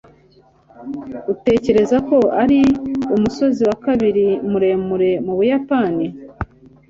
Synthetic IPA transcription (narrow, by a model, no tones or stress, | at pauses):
ute̞ːce̞ɾe̞zako̞aɾiumuso̞ziwakaβiɾimuɾe̞muɾe̞muβujapani